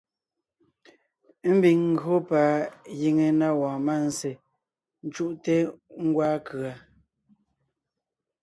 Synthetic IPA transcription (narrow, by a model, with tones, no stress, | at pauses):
m̩˦bi˨ŋŋ̩˦ɡo˦pa˨˦ji˨ŋe˨na˦wɔ̃ː˨ma˦˨n̩˨se˨ | n̩˦t͡ʃu˦ʔte˦ŋ̩˦ɡwaː˦kɰa˨